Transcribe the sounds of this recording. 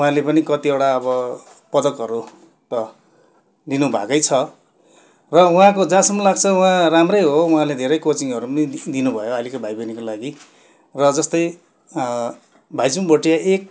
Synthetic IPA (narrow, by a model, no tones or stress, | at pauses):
uɦãlepʌnikʌt̪ieɽaʌβʌ | pʌd̪ʌkʌɾu | t̪ʌ | d̪inubʱa̰kʌjt͡sʰʌ | rʌũɦãkod͡zãsʌmːʌlaɡ̚t͡sʰʌwɦãramrʌjɦouɦãled̪ʱeɾʌjkot͡siŋʌɾupnid̪inubʱʌjoalikobʱajbʌnikolaɡi | rʌd͡zʌst̪ʌj | bʱajd͡zumbʌʈijaʔek̚